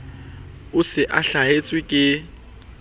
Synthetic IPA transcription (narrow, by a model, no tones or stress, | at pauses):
ʊsɪʔaɬaɦet͡sʼwɪkʼɪ